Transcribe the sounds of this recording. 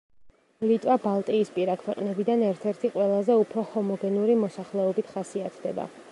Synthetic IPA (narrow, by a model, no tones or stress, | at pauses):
lit̪ʼwabalˠt̪ʼiːspʼiɾakʰwɛqʼnɛbid̪anɛɾt̪ʰɛɾt̪ʰiqʼwɛlˠazɛupʰɾɔhɔmɔɡɛnuɾimɔsaχlɛɔbit̪ʰχasiat̪ʰd̪ɛ̰ba̰